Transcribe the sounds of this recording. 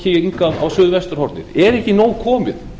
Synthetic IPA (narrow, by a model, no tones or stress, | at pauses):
ɪiŋkaðawsʏðvɛst̪ʏɾ̥hɔɾt̪nɪ̰ɾɛɾɛhcɪnoːwkʰɔːmɪ̰ð